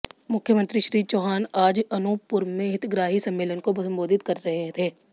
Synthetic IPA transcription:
mʊkʰːjəmə̃nt̪ɾiʃɾiːt͡ʃoːɦaːnaːd͡ʒɐnuːpːʊɾmẽɦɪt̪ɡɾaːɦisɐ̃mːeːlənkobɐsə̃mboːd̪ʱɪt̪kɐɾːɐɦet̪ʰeː

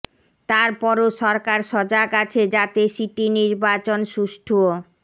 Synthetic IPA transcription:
t̪aɾpɔɾoʃɔɾkaɾʃɔd͡ʑakat͡ɕʰed͡ʑat̪esiʈiniɾbat͡ɕonʃuʃʈʰuo

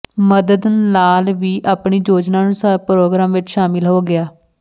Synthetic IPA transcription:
məd̪əd̪nlaːlʋiːʔaːpɳiːd͡ʒoːd͡ʒnaːnũːsapɾoːɡɾaːmʋɪt͡ʃʃaːmɪlɦoːɡɪaː

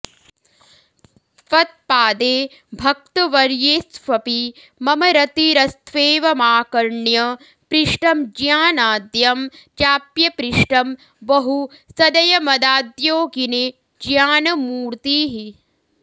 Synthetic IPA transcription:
fɐt̪̚paːd̪eː | bʱɐk̚t̪ɐʋɐɾjeːsʋɐpi | mɐmɐɾɐt̪iɾɐst̪ʰʋeːʋɐmaːkɐɾɳjɐ | pɾiʂʈɐmd͡ʒjaːnaːd̪jɐmd͡ʒaːpjɐpɾiʂʈɐm | bɐɦusɐd̪ɐjɐmɐd̪aːd̪joːɡine | d͡ʒjaːnɐmuːɾt̪iːɦi

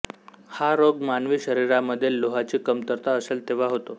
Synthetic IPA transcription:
haɾoɡmanʋiːɕəɾiɾaməd̪ʱːjelːoɦat͡ɕiːkəmt̪əɾt̪aəselt̪eʋ̤aɦot̪o

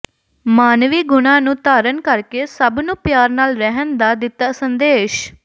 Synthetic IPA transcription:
maːnʋiːɡʊnãːnũːt̪aːɾənkəɾkeːsəbnũːpjaːɾnaːlɾɛɦənd̪aːd̪ɪt̪ːaːsənd̪eːʃ

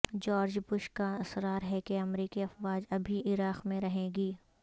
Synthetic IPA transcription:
d͡ʒɔːɾd͡ʒbʊʃkaɐsɾaːɾɦɛkeɐmɾiːkiɐfʋaːd͡ʒɐbʱiʔɪɾaːqmẽɾɐɦẽːɡiː

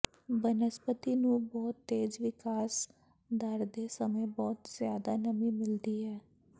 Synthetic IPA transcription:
bənəspət̪iːnũːbɔːt̪ːeːd͡ʒʋɪkaːs | d̪əɾd̪eːsəməbɔːt̪z̥jaːd̪aːnəmĩːmɪld̪iːɦɛː

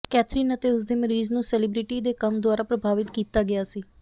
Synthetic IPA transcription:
kɛːt̪ʰɾiːnət̪eːʊsd̪eːməɾiːznũːsɛlɪbɾɪʈiːd̪eːkəmd̪ʊaːɾaːpɾəbʱaːʋɪt̪kiːt̪aːɡɪaːsiː

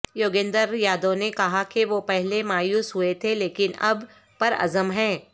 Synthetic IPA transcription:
joːɡẽːnd̪əɾjaːd̪õnekɐɦakeʋopɛɦlemaːjuːsɦʊet̪ʰeleːkɪnɐb | pɐɾɐ̰zəmɦɛ̃ː

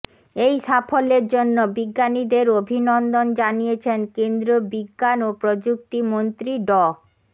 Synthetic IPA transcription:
ejʃafoleɾd͡ʑonːobiɡːanid̪eɾobʱinɔnd̪ond͡ʑanijet͡ɕʰenkend̪ɾobiɡːanopɾod͡ʑuk̚t̪imont̪ɾiɖɔ

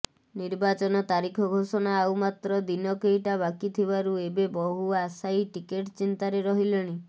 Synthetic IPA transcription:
niɾbat͡ʃɔnɔt̪aɾikʰɔɡʱosɔnaːwmat̪ɾɔd̪inɔkejʈaβakit̪ʰibaɾuebebɔɦuasajʈikeʈt͡ʃint̪aɾeɾɔɦileɽ̃i

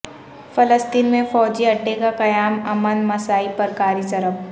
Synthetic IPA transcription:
fɐləst̪iːnmẽfɔːd͡ʒiɐɖːekaqɐjaːmɐmənmɐsaːipəɾkaːɾizɐɾəb

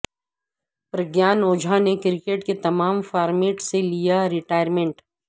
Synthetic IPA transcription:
pɾɐɡjaːnoːd͡ʒʱanekɾɪkeʈket̪ɐmaːmfaːɾmeːʈselijaɾɪʈaːjəɾmẽɳʈ

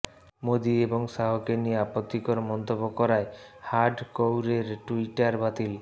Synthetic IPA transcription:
mod̪ieboŋsaɦokenieapot̪ːikoɾmɔnt̪obːokɔɾaehaɾɖkowɾeɾʈuiʈaɾbat̪il

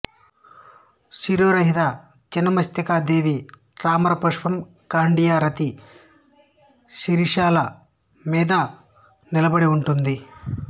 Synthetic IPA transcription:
siɾoːɾɐɦid̪a | t͡ʃinːɐmɐst̪ɐkaːd̪eːʋi | ɾaːmɐɾɐpɐʂʋɐm | kaːɳɖijaːɾɐt̪i | siɾiʂaːlɐ | miːd̪ɐ | nilɐbɐɽiuɳʈund̪i

